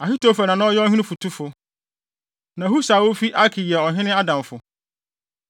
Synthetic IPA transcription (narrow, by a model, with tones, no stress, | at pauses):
a˨fi˦tʰo˨fa˨nã˨nʊ̃˦ɔ˦jɛ˦ɔ˦ɦĩ˦ʊ̃˦fʊ˨tʰu˦fʊ˨ | nã˨ɦu˦sa˨wo˦fi˦ʔa˦kʰi˨jɛ˨ɔ˨ɦɪ̃˦nɪ̃˦a˦dã˨mfʊ˨